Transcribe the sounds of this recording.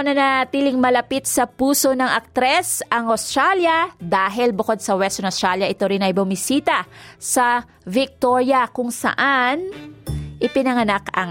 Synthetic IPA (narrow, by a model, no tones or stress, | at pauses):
nɐnɐt̪iːlɪŋmɐlɐpit̪̚sɐpuːso̞nɐŋʔɐk̚t̪ɾɛsɐŋost̪ɾaljɐd̪aːɦɪlbʊko̞d̪̚sɐwɛst̪ʊnost̪ɾaljɐʔɪt̪o̞ɾɪnɐjbʊmɪsiːt̪ɐsɐ | vɪk̚t̪o̞ɾjɐkʊŋsɐ̰ʔan | ʔɪpɪnɐŋɐnakɐŋ